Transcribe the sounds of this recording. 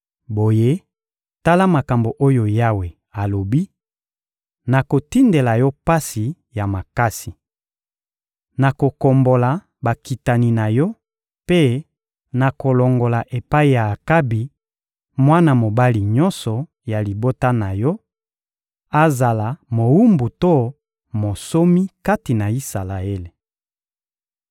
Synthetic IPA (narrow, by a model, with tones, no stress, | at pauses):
bo˨je˦ | ta˦la˦ma˨ka˨mbo˨ʔo˦jo˨ja˦we˨ | a˨lo˨bi˦ | na˨ko˨ti˦nde˨la˨jɔ˦pa˦si˨ | ja˨ma˨ka˦si˨ | na˨ko˨ko˨mbo˨la˨ | ba˨ki˨ta˨ni˨na˨jɔ˦ | pe˦ | na˨ko˨lo˨ŋɡo˨la˨ʔe˨pa˦i˨ja˨ka˦bi˨ | mwa˦na˦˨mo˨ba˦li˨ɲɔ˦nsɔ˨ | ja˨li˨bo˦ta˦na˨jɔ˦ | a˦za˨la˨mo˨wu˦mbu˨to˦ | mo˨so˦mi˦ka˦ti˨na˨i˦sa˨la˨e˦le˨